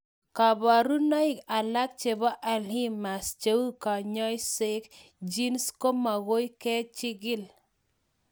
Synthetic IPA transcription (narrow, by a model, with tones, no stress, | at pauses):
ka˨ba˨ɾu˦nɔ˦i˦ka˨la˦k̚t͡ʃe˨ba˦ʔa˨li˦mːa˨st͡ʃa˦wu˦ka˨ɲɔ˦jse˦k | d͡ʒi˦nsko˦ma˨ɣo˦jkɛ˦t͡ʃɪ˦ɡɪ˦l